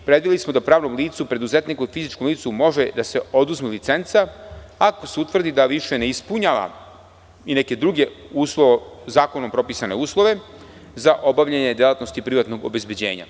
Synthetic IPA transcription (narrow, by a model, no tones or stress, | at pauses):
pɾed̪ʋilismo̞d̪apɾaːʋno̞mliːt̪supɾe̞d̪uze̞t̪nikoifizit͡ʃkomliːt̪sumo̞ʒed̪ase̞o̞d̪uzmilit̪se̞nt̪saako̞seut̪ʋvr̩d̪id̪aʋiʃe̞neispuɲaːʋa̰ | ineke̞d̪ɾuɡe̞uːslˠoʋezaːko̞nompɾo̞pisane̞uːslˠo̞ʋe̞ | zaʔo̞baʋʎʲaɲe̞d̪jelˠat̪no̞st̪ipɾiʋat̪noɡo̰be̞zbed͡ʑe̞̰ːɲa̰